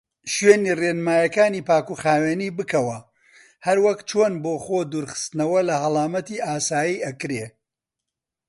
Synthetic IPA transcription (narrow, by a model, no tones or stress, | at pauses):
ʃɥeːniːrenmaːjɐkaːniːpaːkuxaːweːniːbɨkɐwɐ | hɐɾwɐkt͡ʃʰoːnboːxoːd̪uːɾχɨ̥st̪ɨnɐwɐlɐhɐlˠaːmɐt̪iʔaːsaːjiːʔɐkɾeː